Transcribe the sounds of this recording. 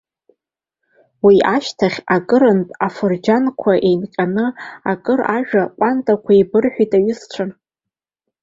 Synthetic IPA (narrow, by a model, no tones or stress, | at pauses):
wiaʃtʰaχʲakʼɨɾɨntʼafɨrd͡ʒankʷʰaʔe̞jnqʲʼanɨakʼɨraʒᶣaqʷʼantʼakʷʰaibɨrħʷᶣitʼaɥʏst͡ʃʷʰan